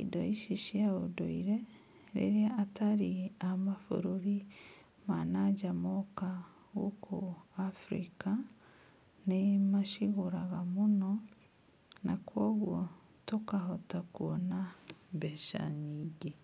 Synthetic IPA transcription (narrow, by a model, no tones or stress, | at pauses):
idɔiʃiʃiaodo̰iɾe | ɾḛɾeaʔataɾiamafo̰ɾoɾi | manaɟamɔka | ɣokʰoafɾḭka | nemaʃiɣoɾaɣamonɔ | nakwɔɣwɔ | tokaɦɔtakuɔnaβɛʃa̰ɲiːɡe